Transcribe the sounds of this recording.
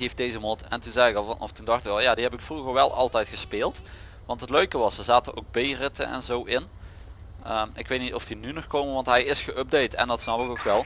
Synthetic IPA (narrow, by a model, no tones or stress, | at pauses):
ifdejzəmɔtɛ̰ntunzɛjɪkɑlˠvɑnʔɔ̰ftundɑxtɪkɑlˠjaːdiɦɛpɪkfruɣəɹʋɛlˠʔɑ̰lˠtɛjtχəspeːlˠt | ʋɑntɦətløɥkəʋɑsəzaːtəʔo̰wɡ̚bejrɪtə̰nɛ̰nzowʔɪn | əɪkʋejt̚nitɔfd̥inynɔχkowmənʋɑntɦɛjɪsχəʔøb̚dejtɛ̰ndɑtsnɑpɪkokʋɛlˠ